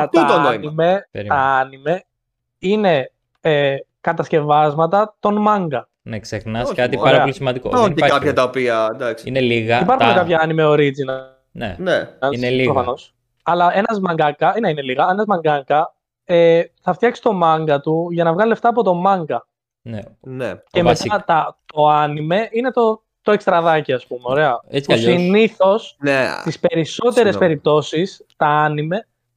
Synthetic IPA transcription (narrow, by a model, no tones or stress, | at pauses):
t̪t̪onoimnimeɾt̪ɐɐnime | ine̞ | ekɐt̪ɐsce̞vɐzmɐt̪̬ɐt̪o̞nmɐŋɡɐ | neksexnɐskɐt̪iɐɐpolisimɐnd̪ikookɐpçɐt̪ɐopiɐd̪ɐksineliɣɐipɐɾxunekɐpçɐɐnimeo̞ɾid͡zin | nḛneɐnliɾofɐno̞s | ɐlɐenɐzmɐŋɡɐkːɐneineliɣɐenɐzmɐŋɡɐŋɡɐ | eθɐft̪çɐksist̪o̞mɐŋɡɐt̪uʝɐnɐvɣɐlieft̪ɐːpo̞t̪o̞mɐŋɡɐ | nce̞met̪ɐt̪ɐt̪o̞ɐnime̞ʔine̞t̪o̞ | t̪o̞e̞kst̪ɾɐðɐciɐspumeo̞ɾe̞ɐusinniθo̞st̪ispe̞ɾiso̞t̪e̞ɾe̞spe̞ɾip̚t̪o̞sis | t̪ɐɐnime̞